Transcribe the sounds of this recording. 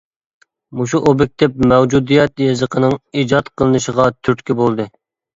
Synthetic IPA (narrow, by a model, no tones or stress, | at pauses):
muʃ̬uʔobɪk̚ʲt̪ʰɛp̚mɛwd͡ʒud̪ijɛt̪jezəqʰənɨŋiːd͡ʒɑt̪qʰəlˠɨnɨʃəʁɑt̪ʰyɾt̪kʲibolˠd̪ɨ